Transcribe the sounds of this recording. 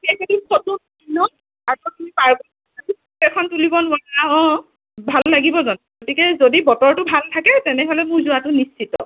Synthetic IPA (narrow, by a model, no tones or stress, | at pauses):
kejketusɔtːunainɔ | apɔtumipaɹbɔn | atuskɛkʰɔntulibɔnʊanaɔ̃ | bʱalːaɡibɔzɔnɡotikɛzodibɔtɔɹtʊbʱaltʰakɛtɛnɛɦɔlɛmʊɹzuatʊnist͡ʃʰitɔ̰